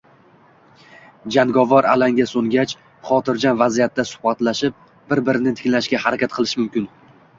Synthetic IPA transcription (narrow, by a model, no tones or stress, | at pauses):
d͡ʒanɡɒvɒɾa̰laŋɡʲasoŋɡʲat͡ʃ | χɒt̪ʰɪɾd͡ʒanvazijat̪ːasʊ̥hbat̪laʃɪp̚ | bɪɾbɪɾɪnɪt̪ʰɪ̥kʲlaʃɡʲahaɾakʲat̪̚qʰɨlˠɪʃmʊmkʲɪn